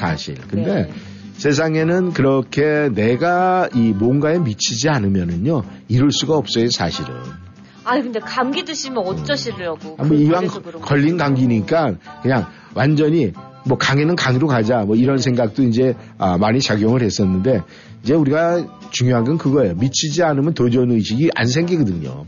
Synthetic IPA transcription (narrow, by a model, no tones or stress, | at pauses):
sʰa̰ɕʰḭɭkɯnde̞ | sʰe̞s̬ʰaŋe̞nɯnkɯɾʌkʰe̞ne̞ɡaimwonɡae̞mit͡ɕʰid͡ʑianɯmjʌnɯɲoiɾɯɭs͈uɡaʌp̚s͈ʌjinsʰaɕʰiɾɯn | akɯnde̞kamɡidɯɕʰimjʌʌt͡ɕ͈ʌɕʰiɾɯʌɡoamʌiwaŋkʌʎːinɡaŋɡiɲik͈ankɯɲaŋ | wand͡ʑʌɲi | mwʌkaŋenɯnkaŋiɾokad͡ʑamʌiɾʌnsʰe̞ŋɡak̚t͈oind͡ʑe̞ | ʌmaɲit͡ɕaɡjʌŋɯɭhe̞s͈ʌnːɯnde̞ | ind͡ʑe̞uɾiɡat͡ɕuŋjoɦaɡɯnkɯɡʌejomit͡ɕʰid͡ʑianɯmjʌntod͡ʑʌnɯɕʰiɡiʔa̰nsʰe̞ŋɡiɡʌdɯɲo̰